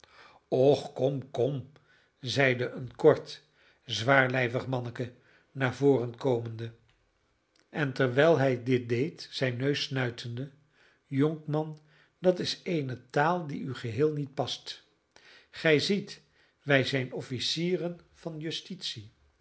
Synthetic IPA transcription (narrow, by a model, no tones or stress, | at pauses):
ɔχkɔmkɔm | zɛjdəʔənkɔɹt | zʋaːɹlɛjvəχmɑnəkə | naːɹvoːrənkowməndə | ʔɛntɛɹʋɛjlˠɦɛjdɪt̚dejtsɛjnːøɥsnœɥtʰəndə | jɔŋkmɑn | dɑtɪsejnətaːlˠdiyχəɦɪːlˠnit̚pɑst | χɛjzit | ʋɛjzɛjnɔfisiːrən | v̥ɑnjɵstitsi